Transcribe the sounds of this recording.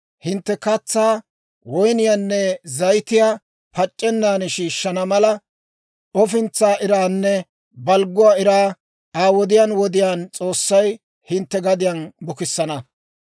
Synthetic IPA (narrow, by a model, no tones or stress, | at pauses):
hɪnt̪ːɛkɐt͡sːaː | wɔjnɪjaːnːɛzɐjt̪ɪjaː | pɐt͡ʃʼːɛnːaːnɛʃiːʃːɐnɐmɐlɐ | ɔfɪnt͡sːaːʔɪɾaːnːɛ | bɐlɡʊwaːɪɾaː | aːwɔd̪ɪjaːnwɔd̪ɪjaːnt͡sʼo̞ːsːɐj | hɪnt̪ːɛɡɐd̪ɪjanbʊkɪsːɐnɐ